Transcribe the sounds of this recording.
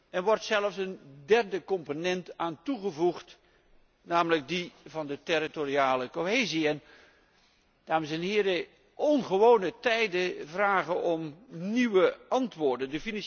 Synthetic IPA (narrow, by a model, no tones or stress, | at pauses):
ɛnʋɔrtsɛləfsəndɛrdəkɔmponɛntaːntuχəvuχt | naːmələɡ̚divɑndətɪritoriaːləkoɦeːziɛn | d̥aːməsɛnɦɪːɾə | ʔɔnχəʋownətɛjdəvraːχənʔɔmniʋəɑntʋʊːɹdəndəfinɑ